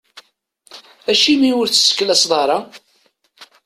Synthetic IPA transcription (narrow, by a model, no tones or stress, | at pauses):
æʃimiwʊɾθə̥sə̥kːlæsðˤɑɾˤɑ